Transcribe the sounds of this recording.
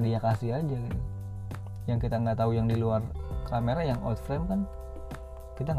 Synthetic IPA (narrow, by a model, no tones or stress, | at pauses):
diɲakasɪɦad͡ʒakit̪u | jaŋkit̪aŋɡat̪aujaŋdiluarkameɾajaŋɔ̰t̪fɾɛmkan | kit̪aŋ